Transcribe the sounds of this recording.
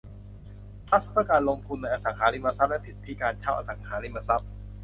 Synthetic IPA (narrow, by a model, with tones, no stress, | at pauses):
p̪ʰa˦˥spʰɯ˥ɐkaː˧nlo˧ŋt̪ʰu˧nːa˧jʔaː˧sa˩˦ŋkʰaː˩˦li˦˥˩ma˧sa˦˥p̚lɛ˦˥pʰi˨˩t̪̚pʰiː˦˥˩kaː˧nt͡ɕʰa˥˩wʔa̰˧˩sa˩˦ŋhʰaː˩˦li˦˥˩ma˧sa˦˥p̚